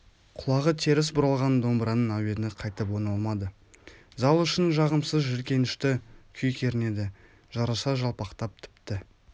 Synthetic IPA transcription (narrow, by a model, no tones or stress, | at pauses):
qʰʊlˠɑʁət̪ʰe̞ɾɪs̬bʊɾɑlˠʁɑnd̪o̞mbɾɑnənæwenɪqʰɑjt̪əp̬wo̞nɑlˠmɑd̪ə | zɑlˠʏʃɪnʒɑʁəmsəzʒɪɾkʲe̞nɪʃt̪ɪkʲʰʏjkʲʰe̞ɾɪne̞d̪ɪ | ʒ̥ɑɾɑsɑʒɑlˠpɑqt̪ɑp̚t̪ʰɪ̥pt̪ɪ